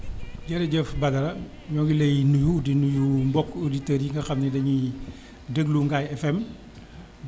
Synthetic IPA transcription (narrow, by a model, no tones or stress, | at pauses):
ɟɛɾɐɟəfbɐdɐlɐ | ɲɔɡilɐjnujudinujumbɔkːuditəɾjiŋɡɐxɐmnidɐɲi | dəɡluŋɡaːjɛfɛm